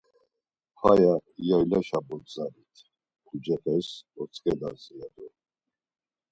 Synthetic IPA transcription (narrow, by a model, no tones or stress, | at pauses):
fajaijailaʃabɔd̪zaɾit̪ʰ | kʰud͡ʒɛχʰɛsɔt̪t͡sʰʼkʼɛd̪a̰nzɛad̪ɔ